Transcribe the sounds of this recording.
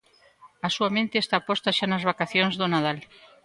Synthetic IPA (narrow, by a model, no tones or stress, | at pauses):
ɐsuamẽnt̪est̪apɔst̪aʃanɐzβ̞akaθjonzðonaðal